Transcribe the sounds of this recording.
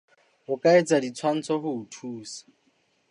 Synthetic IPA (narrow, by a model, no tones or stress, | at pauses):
ʊkʼaet͡sʼadit͡sʰwan̩t͡sʰɔɦʊːtʰuːsḁ